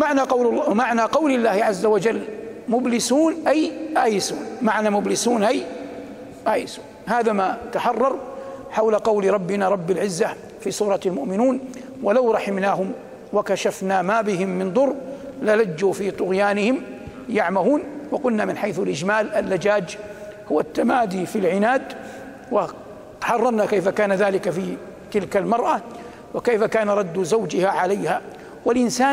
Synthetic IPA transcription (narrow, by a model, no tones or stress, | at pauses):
maʕnamaʕnaqɑwlɪlːaːhɪʕazːawad͡ʒalːmʊblɪsuːnʔajʔaːjɪsuːnmaʕnaːmʊblɪsuːnʔaj | ʔaːjɪsuːnhaːðamat̪aħɑrˤːɑɾˤħawlaqɑwlɾˤɑbːɪnaːɾˤɑbːɪlʕɪzːa | fiːsuːɾˤɑalmʊʔmɪnuːn | walawɾˤɑħɪmnaːɦʊm | wakaʃafnaːmaːbɪɦɪmːɪnd̪ˤʊɾlalad͡ʒːuːfiːt̪ˤʊɣjaːnɪhɪm | jaʕmahuːnwɑqʊlnaːmɪnħajθalʔɪd͡ʒmaːlʔalːad͡ʒaːd͡ʒ | hʊwat̪ːamaːd̪iːfilʕɪnaːd̪ | wa | ħɑrˤːɑɾˤnakajfakaːnaðaːlɪkafi | t̪ɪlkalmɑɾˤʔa | wɪkajfakaːnaɾˤɑd̪ːzawd͡ʒɪhaʕalajhaː | walʔɪnsaː